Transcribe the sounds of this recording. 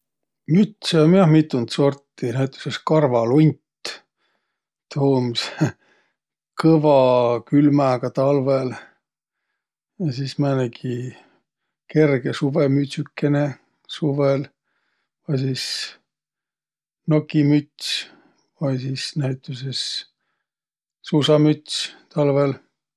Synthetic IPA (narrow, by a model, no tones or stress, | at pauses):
myt̪seomjɑhmit̪ːˑunt̪so̞rt̪ːinæjt̪ːˑu̥seskɑrvɑlunʲt̪ | t̪ʰoːms | kɤvɑkylmæɡ̥ɑt̪ɑlvel | jɑsismænekʰi | ke̞rɡ̥esuvemyt̪ʲsʲykːene | suvel | vɑjsiːs | nokːimyt̪ʲs | vɑjsisnæjt̪ːˑuses | susɑmyt̪ʲsʲt̪ɑlvel